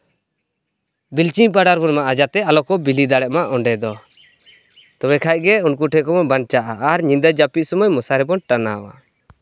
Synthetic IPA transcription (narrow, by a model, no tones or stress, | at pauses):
bilt͡ʃiɲpaɽaɾbɔnmaʔad͡ʒat̪ɛalɔkɔbilid̪aɽɛʔmaʔɔɳɖɛd̪ɔ | t̪ɔwɛkʰaj̚ɡɛunkuʈʰɛkɔmɔbant͡ʃaʔaʔːɾɲind̪ad͡ʒapiʔ̚ˀsɔmɔjmɔsaɾɛbɔnʈanawa̰